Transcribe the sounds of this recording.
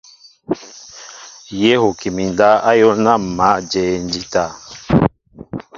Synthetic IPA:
je˦ho˨ki˨mi˨n˨da˦a˦jo˦na˦˨ma˨˦d͡ʒɛ˨n˦di˦ta˦˨

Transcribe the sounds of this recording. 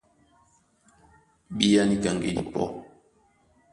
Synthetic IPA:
ɓi˦ja˦ni˦ka˨ŋɡḛ˦dḭ˨pɔ̰˦

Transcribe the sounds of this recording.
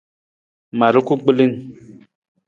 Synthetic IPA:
ma˨ɾu˦ku˦ɡ͡bli˦n˨

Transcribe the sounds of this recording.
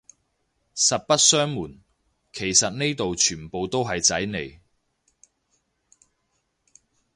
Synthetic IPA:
sɐ˨t̚pɐ˥t̚sœː˥ŋmuː˨˩n | kʰe˨˩jsɐ˨t̚ne˥jt̪o˨wt͡ʃʰyː˨˩npo˨wt̪o˥wɦɐ˨jt͡sɐ˨˥jne˨˧j

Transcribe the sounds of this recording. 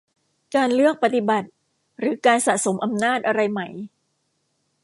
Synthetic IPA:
kaː˧nlɯ˥˩ək̚pa˧˩t̪i˨˩ba˨˩t̪̚ | ɾɯː˩˦kaː˧nsa̰˨˩ʔso˩˦mʔa˧mnaː˥˩t̪̚ʔa˧ɾa˧jma˦˩˦j

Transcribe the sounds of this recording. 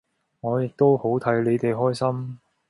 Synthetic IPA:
ŋɔː˨˧jɪ˨k̚t̪o˥who˨˥wt̪ʰɐ˨˥jle˨˧t̪e˨jɦɔː˥jsɐ˥m

